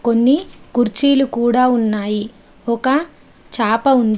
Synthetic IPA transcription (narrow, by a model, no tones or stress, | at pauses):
ko̞nːikuɾt͡ʃiːlukuːɽaːunːaːji | ɔkɐ | t͡ʃaːpɐund̪